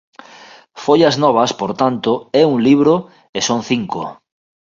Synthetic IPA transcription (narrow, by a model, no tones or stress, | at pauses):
fojaznɔβ̞ɐspoɾt̪ant̪ʊɛuŋliβ̞ɾo | esoŋθiŋko̰